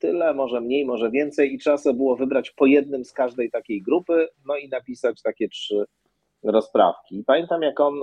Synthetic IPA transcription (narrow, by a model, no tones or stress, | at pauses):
t̪ɘlɛmɔʐɛmɲejmɔʐɛvʲjɛnt̪sɛjit͡ʂasɛbɘwɔvɘbɾat͡ɕpɔjɛd̪nɘmskaʐd̪ɛjt̪akʲejɡɾupɘnɔinapʲisat͡ɕt̪akʲɛtʂɘ | ɾɔspɾa̰fkʲipamʲjɛnt̪amjakɔn